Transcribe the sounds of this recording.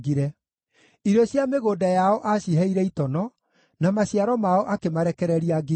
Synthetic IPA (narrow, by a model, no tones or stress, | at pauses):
ɡiɾɛ | iɾɔɕjameɣoːdajaɔʔaɕiɦɛiɾɛitɔnɔ | namaɕiaɾɔmaɔʔakemaɾɛkɛɾɛɾiaɡi